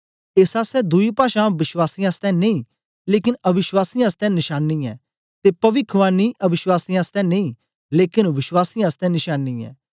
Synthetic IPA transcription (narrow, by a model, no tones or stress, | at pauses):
ɪsaːst̪ɛ̃ːd̪uiːpaːʃãːʋɪʃwaːsiːãːst̪ɛ̃ːnẽĩː | leːkɪnəbɪʃwaːsiːãːst̪ɛ̃ːnɪʃaːnːiːɛː | t̪eːpɐʋɪkʰʋaːniːʔəbɪʃwaːsiːãːst̪ɛ̃ːnẽĩː | leːkɪnʋɪʃwaːsiːãːst̪ɛ̃ːnɪʃaːnːiːɛ̰ː